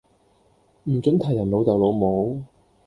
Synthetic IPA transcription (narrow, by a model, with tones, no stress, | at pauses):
m̩˨˩t͡sɵ˨˥nt̪ʰɐ˨˩jːɐ˨˩nlo˨˧wt͡sɐ˨wlo˨˧wmo˨˥w